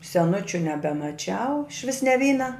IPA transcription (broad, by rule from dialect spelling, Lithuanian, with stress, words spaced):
sʲɛˈnʊt͡ʃʲʊ nʲɛbʲɛmɐˈt͡ʃʲɛʊ ɪʃʲˈʋʲɪs nʲɛ ˈʋʲiːnɐ